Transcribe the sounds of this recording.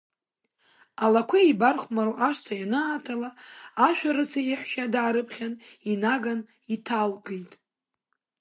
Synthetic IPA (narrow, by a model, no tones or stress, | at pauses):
alakʷʰaibarχʷmaɾoʔaʂtʰajanaːtʰalaːʃʷᶣaɾɨt͡sʰaiħʷʃadʕaɾɨpʰχʲaninaɡan | itʰalɡejtʼ